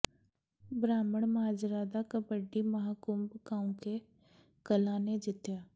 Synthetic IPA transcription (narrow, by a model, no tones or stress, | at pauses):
bɾaːməɽ̃maːd͡ʒɾaːd̪akabəɖimɐɦakumbɡaːũke | kɐlaːned͡ʒɪt̪jaː